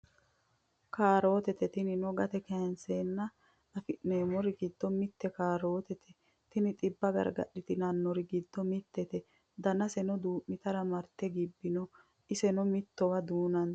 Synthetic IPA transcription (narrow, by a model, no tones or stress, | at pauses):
kaːɾo̞ːt̪ɛt̪ɛt̪ɪnɪnɔɡɐt̪ɛkɛnseːnːɐ | ɐfɪʔneːmɔɾɪɡɪd̪̥ːɔmɪt̪ːɛkaːɾo̞ːt̪ɛt̪ʰɛ̥ | t̪ɪnɪt̪ʼɪbːɐɡɐ̰ɾɡɐ̰ɗːɪt̪ɪnɐnːɔɾɪɡɪd̪̥ːɔmɪt̪ːɛt̪ɛ | d̪ɐnɐsɛnɔd̪uːʔːɪt̪ɐɾɐmɐɾt̪ːɛɡɪbːɪnɔ | ʔɪsɛnɔmɪt̪ːɔwɐd̪uːnɐn